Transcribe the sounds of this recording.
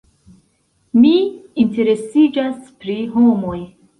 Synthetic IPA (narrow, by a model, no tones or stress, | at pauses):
miːnte̞ɾe̞sid͡ʒaspɾiɦo̞mo̞j